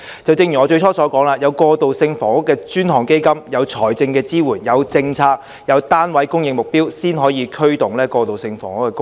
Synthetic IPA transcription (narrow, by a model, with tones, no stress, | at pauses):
t͡sɐ˨wt͡sɪ˧ŋjy˨˩ɔː˨˧t͡ʃɵ˧jt͡ʃʰɔː˥sɔː˨˥kɔː˨˥ŋlaː˧jɐ˨˧wkɔː˧t̪o˨wsɪ˧ŋfɔː˨˩ŋʊ˥kːɛː˧t͡ʃyː˥nhɔː˨˩ŋke˥jkɐ˥mjɐ˨˧wt͡ʃʰɔː˨˩jt͡sɪ˧ŋkɛː˧t͡siː˥wuː˨˩njɐ˨˧wt͡sɪ˧ŋt͡sʰaː˧k̚ | jɐ˨˧wt̪aː˥nwɐ˨˥jkʊ˥ŋjɪ˧ŋ̚mʊ˨˩k̚piː˥wsiː˥nɦɔː˨˥jiː˨˧kʰɵ˥ɥt̪ʊ˨ŋlɛː˥kɔː˧t̪o˨wsɪ˧ŋfɔ̰ː˨˩ŋʊ˥kːɛ˧kʊ˥